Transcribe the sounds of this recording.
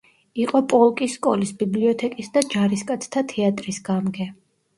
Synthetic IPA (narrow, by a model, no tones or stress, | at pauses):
iqʼɔpʼɔlˠkʼisːkʼɔ̰lisbibliɔt̪ʰɛkʼisd̪ad͡ʒaɾiskʼat̪sʰt̪ʰat̪ʰɛat̪ʼɾisɡamɡɛ